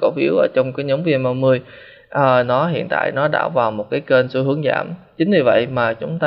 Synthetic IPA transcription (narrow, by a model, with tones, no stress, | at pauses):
ko˧˩wfi˨˦˥əwʔəː˧˩t͡ɕɔ˧wŋ͡mkaː˨˦jɲə˨˦wŋ͡mvi˧ənmaː˧wmɨ˧əj | ʔəː˨˩nɔ˨˦hḭ˧˨ənt̪a̰ː˧˨jnɔ˨˦ɗa̰ː˧˩vaː˨˩wmo˨˩t̚kaː˨˦jke˧nsu˧ɦɨ˨˦əŋza̰ː˧˩mt͡ɕï˨˦ŋ̟zi˨˩və̰˧˨jmaː˨˩t͡ɕʊ˨˦ŋ͡mt̪aː˧